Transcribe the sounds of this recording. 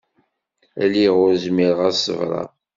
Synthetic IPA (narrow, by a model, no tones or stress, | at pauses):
æliʁʊɾzmiɾʁæsə̰vɾˤɑ̰